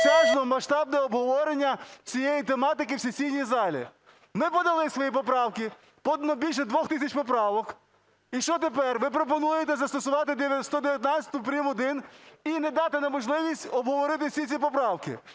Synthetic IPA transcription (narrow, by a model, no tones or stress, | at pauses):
t͡ʃʲaʒd̪ɔmɐʃt̪ɑbnɛɔbɦɔʋɔɾenʲːɐt͡sʲijejit̪emɑt̪ɪkɪwsʲesʲijnʲizɑlʲḭ | mɪpɔd̪ɐlˠɪsʋɔjipɔpɾɑwkɪ | pɔd̪ɐnɔbʲilʲʃɛd̪ʋɔxt̪ɪsʲɐt͡ʃpɔp̬ɾɑʋɔk | iʃt͡ʃɔt̪epɛrʋɪpɾɔp̬ɔnujet̪ɛzɐst̪ɔsʊʋɑt̪ɪd̪est̪ɔd̪eʋjɐt̪ʲnɑt͡sʲɐ̥t̪ʊpɾʲimɔd̪ɪninɛd̪ɑt̪ɪnɐmɔʒlˠɪʋʲisʲtʲɔbɦɔʋɔɾɪt̪ɪsʲit͡sʲipɔpɾɑwkɪ̰